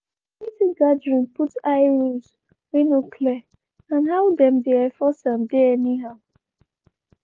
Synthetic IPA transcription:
itiɡadɹĩnputaɪɹuz | winokʰlɛ | ãnɦaʊdɛ̃mdeafɔsãmdeɛniɦaʊ

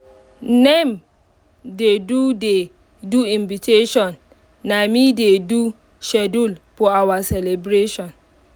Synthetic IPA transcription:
nɛ̃m | dedude | duĩɱvitʰeʃɔ̃nː | ãmĩdedu | ʃɛdulpʰɔawasɛlebɾeʃɔ̃n

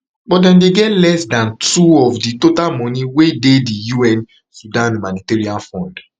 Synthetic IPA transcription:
bɔt̚dɛ̃ndeɡɛtlɛsdãntuɔfditotalmɔ̃nĩwededijuɛ̃n | sudãnumãniteɹiãnfɔ̃nd

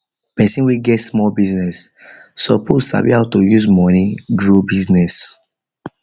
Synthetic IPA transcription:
pɛsĩnwiɡɛtsmɔlbiznɛsːɔpʰozsa̰bḭhaʊtojuzmɔniɡɹobiznɛs

